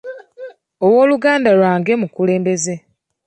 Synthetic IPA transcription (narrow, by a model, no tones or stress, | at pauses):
owo̞ːluɡaːndalwaːŋɡe̞mukule̞ːmbe̞ze̞